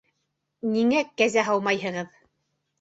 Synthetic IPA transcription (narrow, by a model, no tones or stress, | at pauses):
niŋækæzæɦɑlˠmɑjɦɤ̆ʁɤð